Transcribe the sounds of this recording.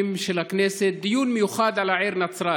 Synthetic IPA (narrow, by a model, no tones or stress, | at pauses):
ɪmʃelakneːset̪̚d̪ɪjuːnmɪjuxaːd̪ʕalaʕiːɾnat͡sɾˤɑː